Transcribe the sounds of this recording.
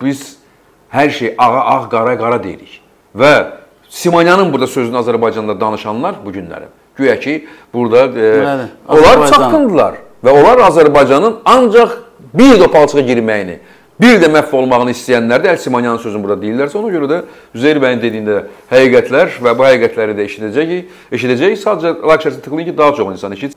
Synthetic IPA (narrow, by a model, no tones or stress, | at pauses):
b̥iz̥ | hæɾʃejʔɑʁɑʔɑʁɡɑɾɑɡɑɾɑd̪ejḭɾḭç | væ | simɑnjɑnɯnbuɾd̪ɑsøzyniɑzæɾbɑjd͡ʒɑnd̪ɑd̪ɑnɯʃɑnlˠɑɾbuɟynlæ̰ɾḭm | ɟøjæcʰi | b̥uɾd̪ɑ | olˠɑɾt͡ʃʰɑkɯnd̪ɯlˠɑ̰ɾ | væo̞lˠɑɾɑzæɾbɑjd͡ʒɑnɯnɑnd͡ʒɑχ | biɾd̪opʰɑlˠt͡ʃʰɯʁɑɟiɾmæjinḭ | biɾd̪æmæfːo̞lˠmɑʁɯnɯist̪ijænlæɾd̪æælsimɑnjɑnɯnsøzynbuɾd̪ɑd̪e̞jilːæɾsæo̞nɑɟø̞ɾæd̪æ | yzejɾbænind̪ed̪ijind̪æhæjiɡæt̪ʰlæɾvæbuhæɡiɡæt̪ʰlæɾid̪æeʃid̪æd͡ʒæ | eʃid̪æd͡ʒæjsɑːd̪ed͡ʒɛlˠɑkʃɑst̪ɯ̥xlˠɯɯncʰid̪ɑɦɑt͡ʃʰo̞χinsɑneʃit̪